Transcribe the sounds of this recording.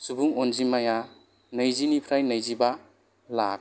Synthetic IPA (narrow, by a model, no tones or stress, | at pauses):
subuŋonzimaja | nɐjzinipʰɾajnɐjziba | lak̚